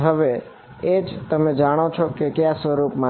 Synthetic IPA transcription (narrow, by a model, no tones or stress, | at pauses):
ɦəʋe | ed͡ʒt̪əmed͡ʒaɽ̃ot͡ʃʰokekjasʋəɾupmã